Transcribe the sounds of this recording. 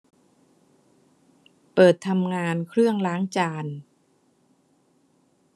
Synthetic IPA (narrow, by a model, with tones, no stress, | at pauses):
pɤː˨˩t̪ʰːa˧mŋaː˧nkʰɾɯ˥˩əŋlaː˦˥ŋt͡ɕaː˧n